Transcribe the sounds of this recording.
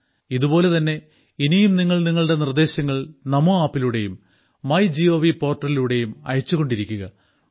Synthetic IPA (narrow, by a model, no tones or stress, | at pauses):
iðubo̞ːle̞t̪ɐnːe̞ | inijumniŋːɐɭniŋːɐɭuɽe̞nird̪e̞ːɕɐŋːɐɭnɐmuaːpːiluɽe̞jumː | ɐjd͡ʑio̞ːʋipo̞ːrʈːɐriluɽe̞jumɐ̰jɐt͡ɕːuɣo̞ɳɖiɾikʲːuɣɐ